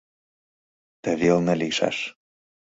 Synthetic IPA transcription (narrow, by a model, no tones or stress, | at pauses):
t̪ə̆βelnə̆liʃɑ̰ʃ